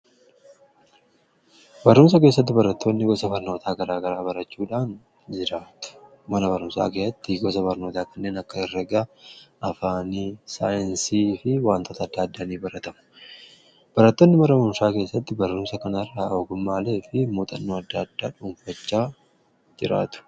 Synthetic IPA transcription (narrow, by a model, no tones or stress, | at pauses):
bɐɾːuːmsɐk̬e̞ːs̬ːɐt̪̬ːɪbɐɾɐt̪ʰːo̞ːnːɪɡɔsɐfɐɾno̞ːt̪ʰaːɡɐɾaːɡɐɾaːbɐɾɐt͡ʃːuːᶑaːn | d͡ʒɪɾaːt̪ʊ̥ | mɐnɐbɐɾʊmsa̰ːkeːsɐt̪ːɪɡɔs̬ɐbɐɾno̞ːt̪aːkɐnːe̞ːnɐkːɐɪrːɐɡɐʔɐfaːnɪsaːjɛnsiːfɪwaːnt̪oːt̪ɐːd̪ːaːd̪ːaːniːbɐɾɐt̪ɐmʊ̥ | b̥ɐɾɐt̪ːoːnːɪmɐɾɐmʊnʃaːke̞ːsːɐt̪ːɪbɐɾːʊːmsɐkɐnɐrːɐoːɡʊmːaːle̞ːfɪmuːt̪ʼɐnːoːɐd̪ːad̪ːaːᶑuːɱfɐt͡ʃːaː | d͡ʒɪɾa̰ːt̪ʊ̥